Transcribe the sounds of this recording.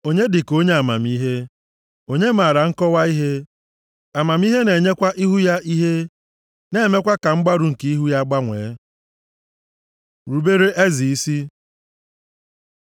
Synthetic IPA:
o˦ɲe˦dɪ˨ko˦ɲe˦a˨ma˨mi˦ɦe˦ | o˦ɲe˦ma˨ɾa˨ŋ̩˦kɔ˦wa˦i˦ɦe˦ | a˨ma˨m˦i˦ɦe˦ne˨ɲe˦kʷa˦ʔi˦ɦu˦ja˦ʔi˦ɦe˦ | ne˦me˦kʷa˦ka˨ŋ͡m̩˦ɡ͡ba˦ɾu˨ŋ̩˨ki˦i˦ɦu˦ja˦ɡ͡ba˦ŋʷeː˨˦ | ɾu˨be˦ɾe˦ʔe˦zi˨i˦si˦

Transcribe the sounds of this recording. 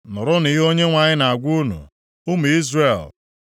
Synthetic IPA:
nʊ˨ɾʊ˦ni˨ɦo˦ɲe˦ŋʷa˨ɲɪ˦na˨a˨ɡʷu˦nṵ˨ | u˦mu˨i˦zre˨l

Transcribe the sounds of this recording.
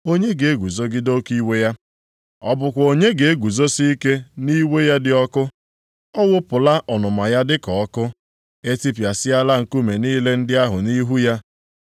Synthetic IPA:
o˦ɲe˦ɡe˨e˦ɡu˨zo˦ɡɪ˦do˦ki˦we˦ja˦ | ɔ̰˦bʊ˨kʷo˨ɲe˦ɡe˨e˦ɡʷu˨zo˦si˦i˦ke˦ni˦we˦ja˦dɪ˨˦ɔ˦kʊ˦ | ɔ˦wʊ˦pʊ˨la˦ʔɔ˨nʊ˨ma˨ja˦dɪ˦kɔ˨ɔ˦kʊ˦ | e˦ti˦pja˨sɪ˦a˦la˦ŋ̩˨ku˦me˨niː˦le˦n̩˦dɪ˦a˦ɦʊ˨ni˦ɦu˦ja˦

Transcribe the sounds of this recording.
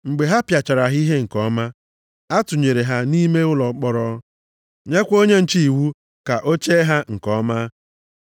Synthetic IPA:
ŋ͡m̩˨ɡ͡be˨ɦa˦pja˨t͡ʃa˨ɾa˨ɦi˦ɦe˦ŋ̩˨kɔ˦ma˦ | a˦tʊ˨ɲe˨ɾe˨ɦa˦ni˦me˦ʊ˦lɔ˨˦k͡pɔ˦ɾɔ˦ | ɲe˦kʷo˦ɲe˦n̩˨t͡ʃi˦i˨wu˦ | ka˨ʔo˦t͡ʃe˦ɦa˦ŋ̩˨kɔ˦ma˦

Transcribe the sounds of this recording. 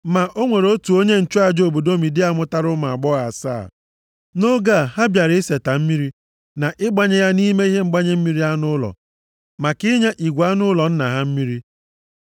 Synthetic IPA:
ma˨ʔo˦ŋʷe˨ɾo˦tu˨o˦ɲe˦n̩˨t͡ʃu˦a˦d͡ʒo˨bo˨do˦mi˨dɪ˦a˦mʊ˦ta˦ɾʊ˦ma˨a˨ɡ͡bɔ˦ɣa˨sa̰ː˦˨ | no˦ɡa˦˨ha˦bja˨ɾɪ˨˦se˨ta˨m̩˦mi˦ɾi˦ | na˨ʔɪ˦ɡ͡ba˦ɲe˦ja˦ni˦me˦i˦ɦe˦ŋ͡m̩˦ɡ͡ba˦ɲe˦m̩˦mi˦ɾi˦a˦nʊ˦lɔ̰˨ | ma˨kɪ˦ɲe˦ʔi˨ɡʷa˦nʊ˦lɔ˨n̩˦na˨ɦa˦m̩˦mi˦ɾi˦

